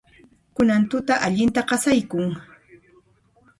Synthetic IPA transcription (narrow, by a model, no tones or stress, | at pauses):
kʊnant̪ʊt̪aʔaʎɪnt̪aqɑsajkʊŋ